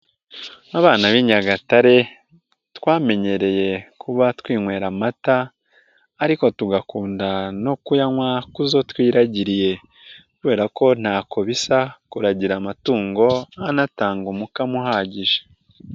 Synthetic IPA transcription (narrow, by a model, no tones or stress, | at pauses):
naβaːnaβiɲaɡataɾe̞ | twaːme̞ɲe̞ɾe̞je̞kʰuβatwiːŋwe̞ːɾamataː | ɾiko̞tuɡakuːndano̞kujaŋwakuzo̞twiːɾaɟiɾije̞ | kuβe̞ːɾako̞n̥haːkʰo̞βisakuɾaɟiɾamatuːŋɡo̞anataːŋɡumukamuɦaːɟiʒe̥